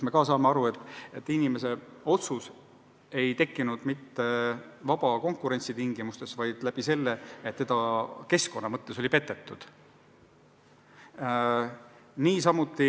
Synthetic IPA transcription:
me̞kɑːsɑːmeɑɾuet̪ːˑet̪ːinime̞se̞o̞t̪sus | e̞jt̪e̞kːinud̪mit̪ːe̞vɑb̥ɑko̞ŋkuɾe̞nʲt̪sit̪iŋɡ̥imust̪e̞svɑjd̪̥læb̥ise̞lːeet̪ːe̞d̪ɑke̞sko̞nːɑmɤt̪ːeso̞lʲipe̞t̪ːˑe̞t̪ːˑud̪̥ | niːs̬ɑmut̪ːˑi

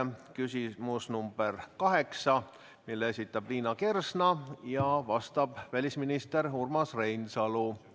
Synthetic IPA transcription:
kysʲimusnumb̥erkɑɦe̞ksɑ | milːesʲit̪ːˑɑb̥liːnɑke̞rsnɑjɑvɑst̪ɑb̥vælʲisminist̪e̞ɾhurmɑsre̞jnsɑlu

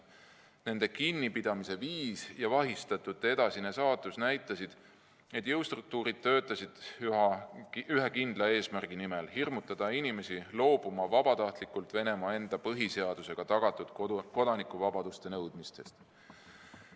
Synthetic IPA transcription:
ne̞nd̪̥e̞kinːipid̪̥ɑmise̞viːsjɑvɑɦist̪ɑt̪ːˑud̪e̞d̪ɑsinesɑːt̪ːˑusnæjt̪ːˑɑsid̪̥ | e̞t̪ːˑjewst̪ruk̚t̪uːɾid̪̥̚t̪ø̞ːt̪ːˑɑsid̪̥yɑyɦekind̪lɑe̞ːsmærɡ̥inimelhirmut̪ːˑɑd̪̥ɑinime̞silo̞ːb̥umɑvɑb̥ɑt̪ɑht̪likːult̪ve̞ne̞mɑe̞nd̪̥ɑpɤɦise̞ɑd̪̥use̞ɡ̥ɑt̪ɑɡ̥ɑt̪ːˑud̪̥ko̞d̪ɑnikːˑuvɑbɑd̪̥ust̪e̞nɤwd̪̥mist̪e̞st̪

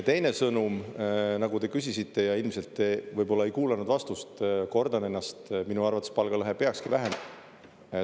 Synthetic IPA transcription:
t̪e̞jne̞sɤnumnɑɡud̪e̞kys̬ʲisit̪ːe̞jɑilmse̞lt̪ːevɤjbo̞lːɑejkuːlɑnud̪vɑst̪ust̪ko̞rd̪ɑne̞nːɑst̪minuɑrvɑt̪ˑːespɑlɡ̥ɑlɤɦepe̞ɑkskivæɦem

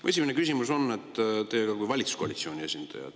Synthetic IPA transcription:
e̞s̬ʲiminekys̬ʲimuso̞nːe̞t̪ːˑt̪e̞ːɡ̥ɑkujvɑlʲit̪su̥sko̞ɑlʲit̪sio̞ːnʲie̞sʲind̪̥ɑ̰jɑ̰d̪̥

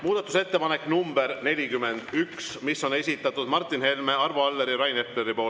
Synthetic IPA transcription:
muːd̪ɑt̪ːˑuse̞t̪ːepɑne̞kːnumbeɾne̞lʲikymːe̞nd̪̥yksmisːo̞ne̞sʲit̪ːˑɑt̪ːud̪mɑrt̪ːˑinhe̞lme̞ɑrvoɑlːe̞ɾiɾɑjnep̪le̞ɾipo̞ː

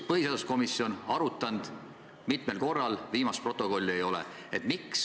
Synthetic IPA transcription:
pɤɦiseɑd̪usko̞misio̞nɑɾut̪ːˑɑnd̪̥ | mit̪me̞lko̞rːɑlviːmɑst̪pro̞t̪ːˑo̞ko̞lʲːie̞jo̞lḛ | et̪ːˑmiks

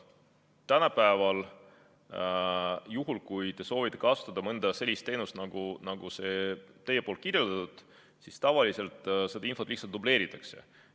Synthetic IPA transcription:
t̪ænɑpæevɑl | juɦulkujt̪e̞so̞ːvit̪ːˑe̞kɑsu̥t̪ːˑɑd̪ɑmɤnd̪̥ɑse̞lʲːist̪ːe̞ːnust̪nɑɡ̥unɑɡ̥use̞t̪e̞je̞polt̪̚kirjeld̪̥ɑt̪ud̪̥ | sist̪ɑvɑlise̞lt̪ˑse̞d̪ɑinfolih̪sɑlt̪ːuble̞ːɾit̪ːˑɑkse̞̰

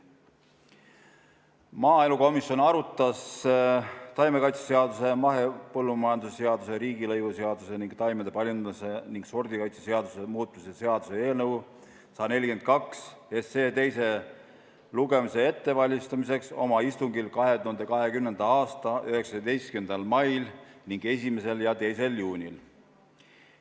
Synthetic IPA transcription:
mɑːe̞luko̞misjo̞nɑɾut̪ːˑɑs | t̪ɑjmekɑjt̪sese̞ɑd̪̥use̞mɑɦe̞pɤlːumɑjɑnd̪usse̞ɑd̪̥use̞ɾiːɡilɤjvuse̞ɑd̪̥use̞niŋɡ̥t̪ɑjmed̪e̞pɑljunɑse̞niŋɡ̥so̞rd̪ikɑjt̪sese̞ɑd̪̥use̞muːt̪̚ːˑmiseseɑd̪̥use̞e̞ːlnɤw | sɑːne̞lʲike̞nt̪̚kɑks | esːe̞ːt̪e̞jse̞ | luɡe̞mise̞e̞t̪ːe̞vɑlʲːist̪ɑmis̬e̞kso̞̰mɑist̪uŋɡilkɑɦe̞t̪uhɑnd̪ekɑɦe̞kymnend̪̥ɑɑːst̪ɑʔyhe̞ksɑd̪ejst̪kend̪̥ɑlmɑjlniŋɡ̥e̞sʲime̞se̞ljɑt̪e̞jse̞ljuːnʲil

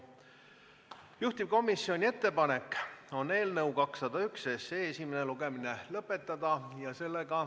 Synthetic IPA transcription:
juht̪ip̚ko̞misːio̞nʲie̞t̪ːe̞pɑne̞kːo̞ne̞ːlnɤuwkɑksːɑd̪ɑyksese̞ːesʲimeneluɡ̥e̞mine̞lɤpːˑe̞t̪ˑːɑd̪̥ɑjɑse̞lːeɡ̥ɑ

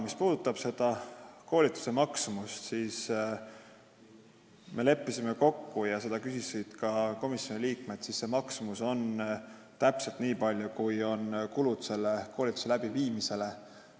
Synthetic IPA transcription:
mispuːd̪̥ut̪ːˑɑb̥se̞d̪̥ɑko̞ːlit̪ːˑu̥se̞mɑksumust̪siːs | mʔe̞le̞pːisime̞ko̞kːujɑse̞d̪ɑkysisid̪̥kɑko̞misjo̞niliːkme̞t̪sisːe̞mɑksumuso̞n | t̪æpse̞lt̪niːpɑlʲjukujo̞nkulut̪se̞lːeko̞ːlʲit̪ːˑu̥se̞læb̥iviːmise̞le̞

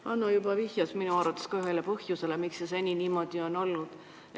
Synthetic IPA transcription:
ɑnːojubɑvihjɑsminuɑrɾɑt̪ːˑeskɑyɦe̞lepɤhjuse̞le̞mikses̬e̞nʲiniːmo̞d̪̥io̞no̞lnud̪̥

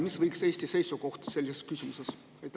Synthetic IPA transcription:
misvɤjkseːsʲt̪ise̞jsuko̞ht̪i̥se̞lʲːiseskysʲimuse̞s | et̪

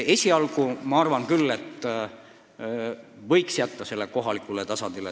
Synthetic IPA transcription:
e̞sʲiɑlɡumɑɑrvɑnkylːe̞t̪ː | vɤ̞jksjæt̪ːɑse̞lːeko̞ɦɑlikˑulet̪ɑsɑnd̪̥ile

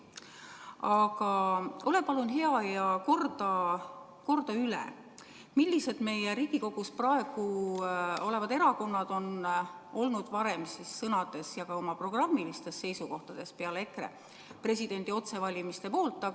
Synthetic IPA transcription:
ɑɡ̥ɑʔo̞lepɑlunɦe̞ɑjɑko̞rd̪̥ɑ | ko̞rd̪̥ɑylḛ | milʲːise̞d̪̥me̞jeɾiːɡ̥iko̞ɡ̥usprɑe̞ɡ̥u | o̞le̞vɑd̪e̞ɾɑko̞nːɑd̪̥o̞no̞lnud̪̥vɑɾe̞msisːɤnɑd̪̥e̞sjɑɡ̥ɑo̞mɑpro̞ɡ̥rɑmːilist̪e̞sːe̞jsuko̞ht̪ɑd̪̥e̞spe̞ɑle̞krḛ | pre̞s̬ʲid̪̥e̞nd̪̥io̞t̪se̞vɑlʲimist̪epo̞ːlt̪ːˑɑ

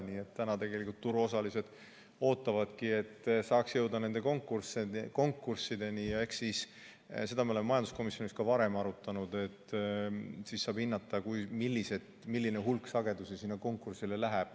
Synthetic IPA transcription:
nie̞t̪ːt̪ænɑt̪e̞ɡe̞likult̪ːuɾuo̞sɑlise̞d̪̥ | o̞ːt̪ːˑɑvɑd̪̥kie̞t̪ːsɑːksjɤ̞wd̪ɑne̞nd̪e̞ko̞ŋkːˑurseko̞ŋkˑːursːid̪e̞nijɑe̞hkssis | se̞d̪ɑmeo̞le̞memɑjɑnd̪usko̞misjo̞niskɑvɑɾe̞mɑɾut̪ːˑɑnud̪e̞t̪ː | sisːɑːb̥hinːɑt̪ːˑɑkujmilʲːise̞d̪̥ | milːineɦulksɑɡe̞d̪usesiːnːɑko̞ŋkːˑursile̞læɦæb̥̚

